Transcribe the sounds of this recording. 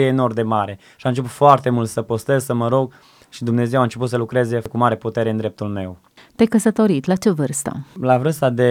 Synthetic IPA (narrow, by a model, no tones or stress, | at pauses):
eːno̞rd̪e̞maɾe̞ | ʃiaɨnt͡ʃepu̥t̪foart̪e̞mult̪səpost̪e̞zsəməɾo̞ɡ | ʃid̪umne̞ze̞want͡ʃe̞p̬ut̪səlukɾe̞ze̞kumaɾeput̪e̞ɾeɨnd̪ɾe̞p̚t̪ulme̞w | t̪ejkəsət̪o̞ɾit̪ʲlat͡ʃe̞vɨrst̪ə̰lavɾɨst̪ad̪e̞